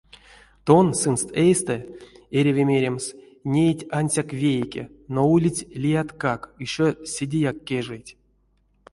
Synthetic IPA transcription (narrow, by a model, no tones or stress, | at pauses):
t̪onsɨnst̪ejst̪ɛeɾʲevʲemʲeɾʲems | nʲejtʲanʲsʲakvʲejkʲḛnoulʲitʲlʲijat̪kakiʂosʲedʲejakʲːeʐɛjtʲ